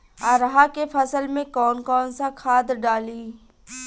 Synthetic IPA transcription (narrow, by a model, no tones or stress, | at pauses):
aɾɦakefʰɐsəlmẽkɔːnkɔːnsakʰaːd̪ɾɖaːliː